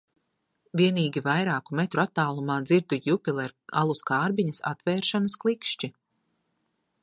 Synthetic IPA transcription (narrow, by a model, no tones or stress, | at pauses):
viɛniːɡʲivajɾaːkumɛt̪ɾuat̪ːaːlˠumaːd̪ziɾd̪ujupʲilˠɛɾa̰lˠuskaːɾbiɲɐsa̰t̪vɛːɾʃanɐsklˠikʃt͡ʃi